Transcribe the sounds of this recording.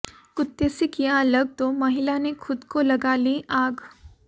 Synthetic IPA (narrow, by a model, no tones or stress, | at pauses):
kʊt̪ːesikijaələɡ̚t̪omɐɦilanekʰʊd̪kolɐɡaːliʔaːɡ